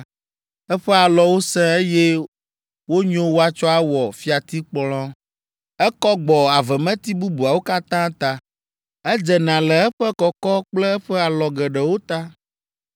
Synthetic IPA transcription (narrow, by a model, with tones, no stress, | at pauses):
ɛ˦ɸɛ˦a˨lɔ˨wo˦sɛ̃˦e˦jɛ˦ | wo˦ɲõ˦wo˦a˨t͡ʃɔ˦a˦wɔ˨fi˦a˨t̪i˦k͡plɔ̃˦ | ɛ˦kɔ˦ɡ͡bɔ˨a˨vɛ˨mɛ̃˦t̪i˦bu˦bu˨a˨wo˦ka˦t̪ã˦t̪a˦ | ɛ˦d͡ʒɛ˨nã˨lɛ˨ɛ˦ɸɛ˦kɔ˨kɔ˦k͡plɛ˦ɛ˦ɸɛ˦a˨lɔ˨ɡɛ˨ɖɛ˨wo˦t̪a˦